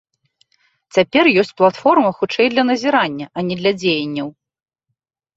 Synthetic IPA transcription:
t͡sʲapʲɛrjɔsʲt͡sʲplˠat̪fɔrmɐxut͡ʂɛjd̪lʲɐnɐzʲiɾanʲːɐʔɐnʲɛd̪lʲɐd͡zʲejɐnʲːɐw

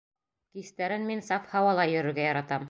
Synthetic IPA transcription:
kist̪æɾɘnminsɑfhɑwɑlˠɑjɵ̆ɾɘ̆ɾɡæjɑɾɑt̪ɑm

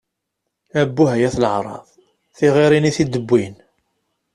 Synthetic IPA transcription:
æbːuɦæjæθləʕɾˤɑ̰ðˤ | θiʁiɾiniθid̪əbːin

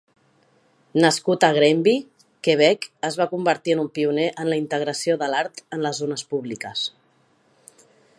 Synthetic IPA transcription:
nəskut̪əɣ̞ɾɛmbi | keβ̞ɛkəzβakumbəɾt̪iənumpiuneʔənləint̪əɣɾəsioðəlaɾt̪ənləzonəspuβlikəs

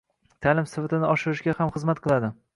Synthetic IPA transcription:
t̪ʰaːlɪmsɪfat̪ɪnɪɒʃɪɾɪʃɡʲahamχɨzmat̪̚qʰɨlˠad̪ɪ

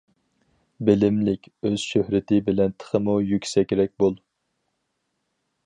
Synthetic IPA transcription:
bɪlɪmlɪkʲøz̥ʃøhɾɪt̪ʰɪbɪlɛnt̪ʰə̥χəmujykʲsɛkʲɾɛk̚ʲbolˠ

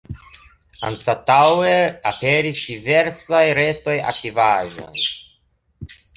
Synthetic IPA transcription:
a̰nstataweapeɾisdive̞ɾsajɾe̞to̞ja̰k̚tivaʒo̰n

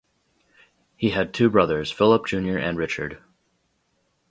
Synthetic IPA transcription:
hiɨd̚tʰʉbɹʌðə˞z̥fɪlˠəp̚d̥ʒ̥ʉ̃njə˞ʔɨ̃nɹɪt͡ʃə̰˞d̥

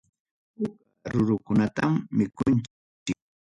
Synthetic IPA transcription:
ʊkaɾʊɾʊkʊnat̪amːɪkʊnt͡ʃ | t͡ʃɪk̚

